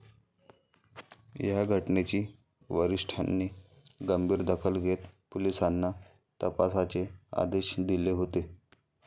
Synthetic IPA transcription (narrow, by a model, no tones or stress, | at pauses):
jaɡʱəʈnet͡ɕiː | ʋəɾiʂʈʰa̰nːiː | ɡəmbʱiːɾd̪əkʰəlɡʱet̪polisanːa | t̪əpasat͡sea̰d̪eɕd̪ileɦot̪e